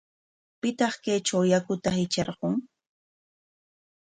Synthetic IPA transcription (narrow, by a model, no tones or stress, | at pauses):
pɪt̪ɑχkajt͡ʃawjakʊt̪ahɪt͡ʃeɾɢoŋ